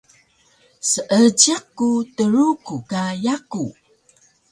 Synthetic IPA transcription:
səʔəd͡ʒakːutəɾukukajaku

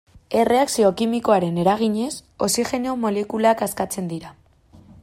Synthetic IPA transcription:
e̞re̞aksio̞kimiko̞aɾe̞ne̞ɾaɣ̞iɲe̞so̞sixe̞neo̞mo̞lekulakaskat͡se̞nd̪iɾa

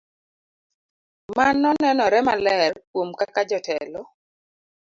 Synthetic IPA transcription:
manːɔnɛnɔɾɛmalɛrkwomkakad͡ʒɔtɛlɔ

